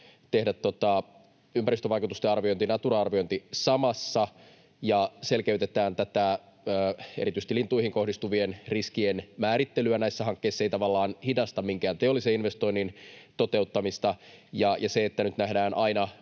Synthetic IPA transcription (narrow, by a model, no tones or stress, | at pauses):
t̪e̞hdæt̪ːot̪ɑ | ympæɾist̪øʋɑijkut̪ust̪eɑrʋio̞jnt̪inɑt̪urɑɑrʋio̞nt̪isɑmɑsːɑ | jɑse̞lkeyt̪et̪æːnt̪æt̪æ | øːeɾit̪yist̪ilint̪ːˑuihiŋko̞hdist̪uʋienriskienmæːɾit̪ːelyænæisːæɦɑŋkːe̞isːeit̪ɑʋɑlːɑːnhidɑst̪ɑmmiŋkæːnt̪eolːiseinʋe̞st̪o̞ijnːint̪o̞t̪e̞ut̪ːɑmist̪ɑjɑjɑseet̪ːænyt̪næɦdæːnʔɑinɑ